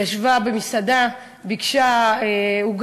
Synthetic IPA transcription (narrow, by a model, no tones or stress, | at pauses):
aʃvabemisad̪a | bikʃaeuɡ